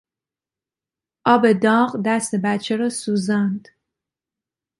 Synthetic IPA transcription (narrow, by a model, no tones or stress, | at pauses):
ʔɒːbe̞d̪ɒːɢd̪æst̪ebæt̪t͡ʃʰeɾɒːsuːzænd̪̥